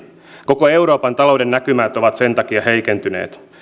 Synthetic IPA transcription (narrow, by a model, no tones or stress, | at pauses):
ko̞ko̞e̞wɾo̞ːpɑnt̪ɑlo̞wdenːækymæːt̪o̞ʋɑt̪se̞nt̪ɑkiɑhe̞ikent̪ynḛːt̪